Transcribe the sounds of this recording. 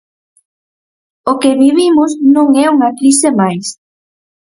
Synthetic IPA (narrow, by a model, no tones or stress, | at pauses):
okeβiβ̞imʊsnõŋɛuŋɐkɾisemajs